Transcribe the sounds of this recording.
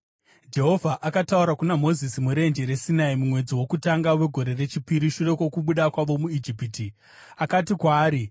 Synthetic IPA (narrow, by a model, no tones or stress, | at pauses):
d͡ʒe̞ɦo̞vʱaʔakatauɾakunamo̞zisimuɾe̞nd͡ʒeɾe̞sinaimumwe̞d͡ziwo̞kutaŋɡawe̞ɡʱo̞ɾe̞re̞t͡ʃipiɾiʃure̞kwo̞kuɓuɗakwaʋo̞muid͡ʒipiti | akatikwaːɾi